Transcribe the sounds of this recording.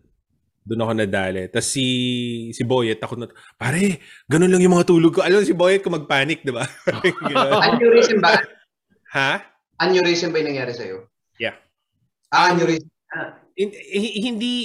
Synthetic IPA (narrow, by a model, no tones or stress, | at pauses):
d̪ʊnɐko̞nɐd̪aːlɛt̪ːɐsːisɪbojɛt̪ːɐkonɐt̪ | paːɾɛ | ɡɐnonlɐŋjʊŋmɐŋat̪uːloɡ̚koʔɐlɐmsɪboːjɛt̪̚komɐɡ̚paːnɪk̚d̪ɪbapaɾɛɡɐɐnjuɾisɛnbɐ | ha | ʔɐnjʊɾiʃɛnbɐjnɐŋjaːɾɪsɐ̰jo | ja | ʔaʔɐnjʊɾi | ɪhhɪnd̪i